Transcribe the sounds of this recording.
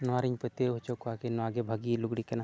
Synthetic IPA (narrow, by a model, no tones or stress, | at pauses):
naɾiɲpət̪eɦot͡ʃokuakenaɡebʱaɡiluɡɽikena